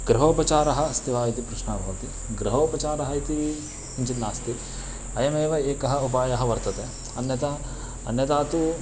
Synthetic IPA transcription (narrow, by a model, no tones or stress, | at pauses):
ɡɾɐɦopɐt͡ʃaːɾɐɦɐ̆st̪iʋaːjit̪ipɾuʃɳaːbʱɦoːt̪i | ɡɾɐɦoːpɾɐt͡ʃaːɾɐɦɐjit̪iʋi | unt͡ʃɐt̪naːst̪it̪ | ɐjɐmeːʋɐeːkɐɦɐupaːjɐɦɐʋɐɾt̪ɐt̪e | ɐnjɐt̪ɐ | ɐ̰njɐt̪aːt̪u